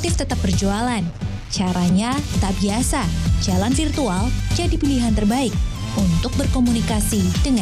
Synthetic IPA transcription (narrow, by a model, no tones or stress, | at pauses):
t̪ɪft̪ət̪ap̚bərd͡ʒualan | t͡ʃaɾaɲat̪abiasad͡ʒalanfirt̪uald͡ʒadipiliɦant̪ərbaɪk̚ | unt̪ʊk̚bərkomunikasidəŋa